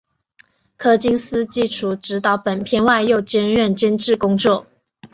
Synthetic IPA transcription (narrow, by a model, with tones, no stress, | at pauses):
kʰɤ˥t͡ɕi˥ŋsɹ̩˥t͡ɕi˥˩ʈ͡ʂʰu˨˩ʈ͡ʂɻ̩˧˥t̪ɑ˨˥˦ʊpə˨˩npʰjɛ˥˧nwa˥˧ɪjo˥˧ʊt͡ɕjɛ˥nɻə˥˩nt͡ɕə˥nʈ͡ʂɻ̩˥˩kʊ˥ŋt͡swɔ˥˩